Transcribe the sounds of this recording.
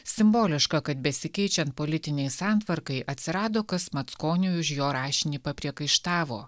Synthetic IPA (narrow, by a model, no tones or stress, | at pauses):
sʲɪmboːlʲɪʃkɐkɐt̪̚bʲɛsʲɪkʲɛɪt͡ʃʲɛnt̪̚poːlʲɪt̪ʲɪnʲɛɪsɑːnt̪ʋɐɾkɐɪʔɐt̪ʲsʲɪɾɑːd̪oːkɐsmɐt̪skoːnʲujʊʃjoːɾɑːʃʲɪnʲiːpɐpʲɾʲiɛkɐɪʃt̪ɑːʋo̰ː